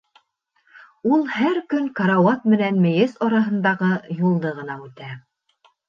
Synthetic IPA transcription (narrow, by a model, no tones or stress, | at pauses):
ulˠhæɾkɵŋkɑɾawɑt̪mɘ̆nænmɘ̆jɘzɑɾɑɦɤ̆nd̪ɑʁɤjulˠd̪ɤʁɤ̆nɑʉt̪æ